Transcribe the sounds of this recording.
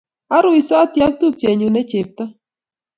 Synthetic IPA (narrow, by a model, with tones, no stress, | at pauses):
a˦ɾʊ˦i˨sɔ˦tja˦k̚t̪u˦p̚t͡ʃe˨ɲu˨nɛ˦t͡ʃe˨p̚t̪a˦